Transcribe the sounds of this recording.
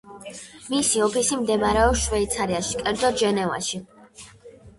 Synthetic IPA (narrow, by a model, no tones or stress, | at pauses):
misiɔpʰisimd̪ɛmaɾɛɔʃvɛit̪sʰaɾiaʃikʼɛɾd̪zɔʒɛnɛva̰ʃi